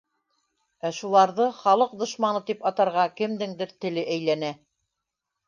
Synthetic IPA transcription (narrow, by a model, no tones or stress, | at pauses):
æʃulˠɑɾðɤχɑlˠɤq̚d̪ŏʃmɑnɤt̪ipɑt̪ɑɾʁɑkɘ̆md̪ɘŋd̪ɘɾt̪ɘ̆lɘʔæjlænæ